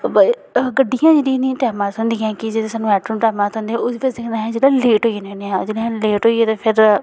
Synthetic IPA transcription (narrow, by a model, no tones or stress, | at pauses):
bə | ɡəɖijãːd͡ʒeːɽĩnĩʈɛːmãːt̪ɦʊnd̪ĩːãːkɪd͡ʒeːɽeːsaːnũːɛːʈɾunʈɛːmãːt̪ʊ̃nd̪eːɛ̃oːd̪iːʋəd̪eːkʰd̪ãːɦɛ̃ːd͡ʒeːɽãːleːʈɦoːinẽneːãːd͡ʒeːɽeãleːʈɦoːiːeːt̪eːpʰɪɾ